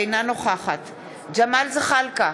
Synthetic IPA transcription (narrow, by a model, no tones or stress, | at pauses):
jnanoχaχat̪ʰ | d͡ʒamalzɪχalka